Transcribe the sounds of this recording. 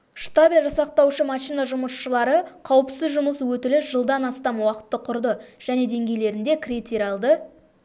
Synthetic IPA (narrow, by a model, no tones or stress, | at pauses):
ʂt̪abʲilʲˠʒɑsɑq̚t̪ɑwʃəmɑʃijnɑʒʊməsʃəlˠɑɾəqʰɑwəpsɪzʒʊməswɵt̪ɪlɪʒ̥əlˠd̪ɑnɑst̪ɑmwɑqə̥t̪ːəqʰʊɾd̪əʒ̥æne̞d̪e̞ŋɡʲe̞jle̞ɾɪnd̪ekrit̪iɾɑlˠd̪ə